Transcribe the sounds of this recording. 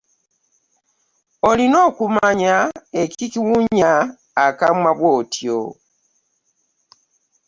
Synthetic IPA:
olino̞ːkumaɲaeciciwuɲaː | kamwaβwoːtʰjo̰

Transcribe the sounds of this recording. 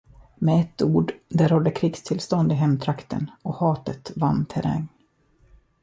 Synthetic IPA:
mɛɛt̪ːuːɖd̪æɾhɔlːəkʰɾiːɡst̪ʰɪlst̪ɔnd̪ɪɦɛmt̪ʰɾakt̪ə̰nɔhɑːt̪ət̪vant̪ʰɛɾa̰ŋ

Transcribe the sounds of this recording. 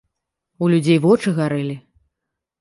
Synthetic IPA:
ulʲud͡zʲejvɔt͡ʂɨɣaɾɨlʲi

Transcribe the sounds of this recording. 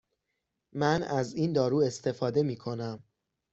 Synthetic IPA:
mænæziːnd̪ɒːɾuːe̞st̪ʰe̞fɒːd̪e̞miːkʰo̞næm

